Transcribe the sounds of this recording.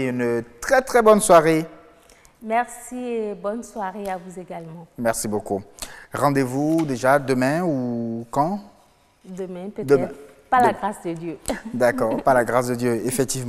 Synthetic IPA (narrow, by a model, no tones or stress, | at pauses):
ynt̪χɛt̪χɛbɔnswaʁe | mɛʁsiebɔnswaʁeavuzeɡalmɑ̃mɛʁsibokuʁɑ̃d̪evud̪eʒad̪əmɛ̃ukɑ̃ | d̪əmɛ̃pəd̪əɛɛ̃ | palaɡʁasd̪əd̪jød̪akɔːʁpalaɡʁasd̪əd̪jøefɛk̚t̪iv